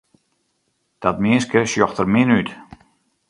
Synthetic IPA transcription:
d̥atmɪəskəsjɔxtərmɪnyt

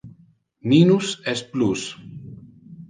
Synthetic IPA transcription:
minusesplus

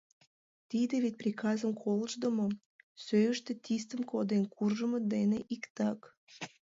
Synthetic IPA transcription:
t̪id̪eβet̪̚ʲprʲikɑzəmkʰoləʒd̪ə̆mo | søjəʃt̪et̪ist̪əmkod̪enkʰurʒəməd̪eneʔikt̪ɑk

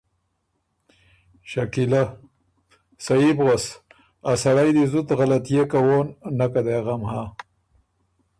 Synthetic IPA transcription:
ʃakila | sajibɣas | asaɽajd̪ezut̪ɣalat̪ijekawonːakad̪eɣamha

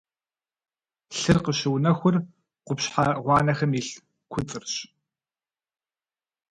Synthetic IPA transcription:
ɬɨrqəɕɪwnɐxʷʊr | qʷʊpɕħaʁʷɑːnɐxɐmiːɬ | kʷʰʊt͡sʼɨrɕ

